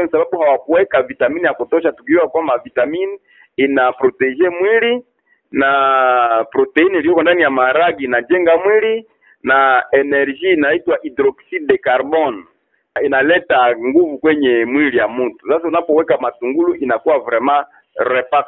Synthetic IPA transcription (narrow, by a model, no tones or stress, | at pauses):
ɛnsaβabuhawakuwɛkavitaminijakutɔʃ̬atukiɔwakwambavitamin | inapɾɔtɛʒɛmwili | napɾɔtɛinilijɔkɔndanijamaɾaɡiːnad͡ʒɛŋɡamwili | naɛnɛʁʒiːnaitwaʔidɾɔksidɛkaɾbɔn | inalɛtaŋɡuvukwɛɲɛmwilijamutu̥sasaunapɔwɛkamatuŋɡuluʔinakuwavɾɛmã | ɾɛpa